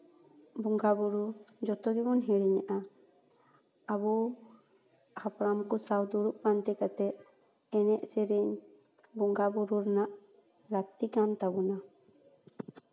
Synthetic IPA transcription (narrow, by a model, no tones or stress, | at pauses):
buŋɡabuɾud͡ʒɔt̪ɔɡɛbɔnɦiɽiɲaʔa | abɔ | hapɾamkɔsawd̪uɽuʔ̚pant̪ɛkat̪ɛʔ | ɛnɛʔsɛɾiɲ | buŋɡabuɾuɾnaʔ | lak̚t̪ikant̪abuna